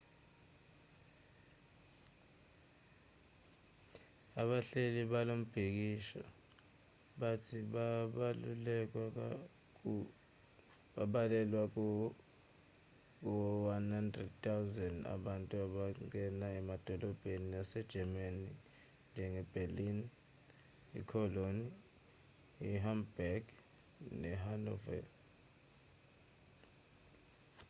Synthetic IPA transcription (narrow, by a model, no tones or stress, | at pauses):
aɓaɬeliɓalom̩b̥ʱik̬iʃɔ̰ | ɓatʰiɓaaulɛk̬a | ɓaɓalɛlwak̬ | k̬ɔwanhandrɛd̚t̪ʰawzɛnda̰ɓantʼuaɓaŋɛnaɛmad̥ʱɔlɔb̥ʱeniasɛd̥ʒ̥ʱɛmani | nd͡ʒʱɛŋɛb̥ʱelin | ḭkʰɔloni | iɦambaɡ̥ | nɛɦanɔvɛ̰l